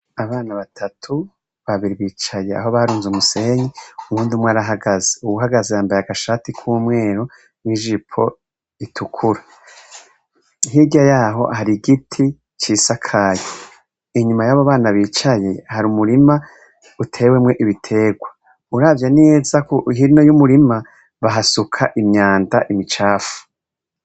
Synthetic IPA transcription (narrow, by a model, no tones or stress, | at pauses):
aβaːnaβatʰatʰu | βaβiɾiβiːt͡ʃajea̰ɦo̞βaɾuːnzumuse̞ɲiumuːndimwaːɾaɦaɡazeuɡuɦaɡazejaːmbajaɡaʃaːtikʰuːmŋe̞ːɾo | niʒipʰo̞̰ | itʰukʰuɾa | hiɟajaːɦo̞̰haɾiɡitʰi | t͡ʃiːsakʰajo | iɲumajaβoβaːnaβiːt͡ʃaje̞haɾumuɾima | utʰe̞ːwe̞mŋe̞ʔiβitʰe̞ːɡwa | uɾaːvjane̞ːzakoiɦinojumuɾima | βaɦasukʰaʔimɲaːndaʔimit͡ʃaːfu̥